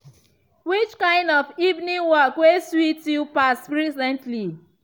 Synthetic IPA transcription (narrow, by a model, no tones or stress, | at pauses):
wit͡ʃkãɪ̃ndɔvivnĩŋwɔkweswitjupaspɹisɛ̃ntli